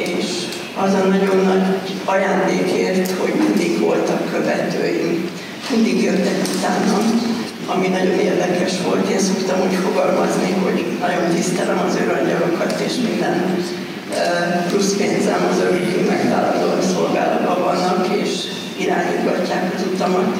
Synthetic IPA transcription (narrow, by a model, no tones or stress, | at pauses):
eːʃ | ɒzɒnɒɟo̞nːɒɟɒjaːnd̪eːkeːrt̪ho̞ɟmind̪iɡʋo̞lt̪ɒkːø̞vɛt̪ø̰ːjiŋ | mind̪iɡjøt̪ːɛkut̪aːnːɒn | ɒminɒɟo̞neːrd̪ɛkɛʃʋo̞lt̪jɛso̞kt̪ɒmuːcfo̞ɡɒlmɒzniɦo̞ɟnɒɟo̞nt̪ist̪ɛlɛmɒzøɾɒɲɟɒlo̞kɒt̪eːʃmind̪ɛn | plusfeːnzɛmɒzøɾøkymɛɡva̰ːlɒnd̪oːso̞lɡa̰ːlɒt̪bɒvɒnːɒkeːʃ | iɾaːɲḭd̪ɡɒcːaːkɒzut̪ɒmɒt̪